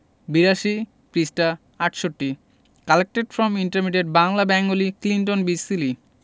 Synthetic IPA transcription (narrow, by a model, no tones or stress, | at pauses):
biɾaʃi | pɾisʈa | aʈʃoʈːi | kalek̚ʈeʈfɾɔmiɳʈaɾmiʈ̬eʈ̚baŋlabɛŋɡoliklinʈonbisili